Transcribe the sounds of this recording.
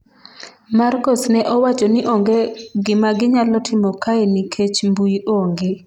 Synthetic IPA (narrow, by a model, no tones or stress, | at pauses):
markɔsnɛʔɔwat͡ʃɔnɪʔoŋɡeɡɪmaɡɪɲalɔtʰɪmɔkaenikʰet͡ʃmbuʔoŋɡe